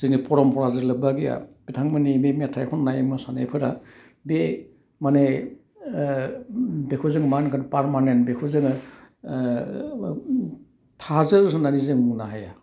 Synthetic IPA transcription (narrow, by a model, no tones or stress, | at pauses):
sɯnipʰɔɾɔmpʰɔɾazɯɾlɯbaɡija̰b̥itʰaŋmanimemiatʰajkʰɔnːajmɯsanḛjpʰɯɾa | be | mane | bekʰɔzɯŋmankʰanpaɾmanentbekʰuzɯŋ | tʰazɯɾɯs̬ɯnanizɯŋmunaɦaja